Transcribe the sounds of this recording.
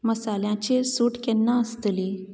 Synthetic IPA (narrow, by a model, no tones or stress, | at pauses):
məsaljãt͡ɕesuʈkɛ̃nːaəst̪li